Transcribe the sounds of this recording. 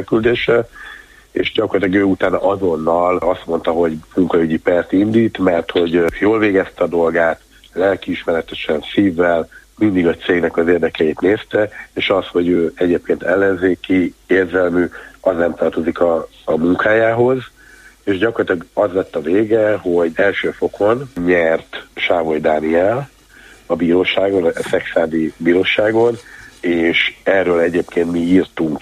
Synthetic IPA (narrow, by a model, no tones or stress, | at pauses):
kyld̪eːʃɛ | ḛːʃɟɒkorlɑt̪lɒɡøːut̪aːnɒʔɒzo̞nːɒlɒst̪mo̞nt̪ɒɦo̞ɟmuŋkɒyɟipɛrt̪ind̪iːt̪mɛrt̪ho̞ɟjoːlveːɡɛst̪ɛɒd̪o̞lɡaːt̪ | lɛlkiiʃmɛɾɛt̪ɛʃɛnsiːvːɛlmind̪iɡɒt̪seːɡnɛkɒzeːrd̪ɛkɛjit̪neːst̪ɛeːʃɒsho̞ɟøːɛɟeːp̚keːnt̪ʰɛlːɛnzeːkieːrzɛlmyɒznɛmt̪ɒrt̪o̞zikɒː | muŋkaːjaːɦo̞z | eːʒɟɒkorlɒt̪ilɒɡɒzlɛt̪ːɒveːɡɛɦo̞ɟɛlʃøːfo̞kʰo̞nɲɛrt̪ʃaːvo̞jd̪aːniɛl | ɒbiːɾoːʃaːɡo̞nsɛksaːd̪ibiːɾoːʃaːɡo̞neːʃɛrːøːlɛɟeːpkeːnt̪miiːrt̪uŋk